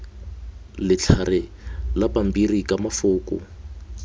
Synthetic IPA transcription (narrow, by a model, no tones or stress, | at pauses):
lɪt͡ɬʰarɪ | lapʼam̩birikamafʊːkʼʊ̰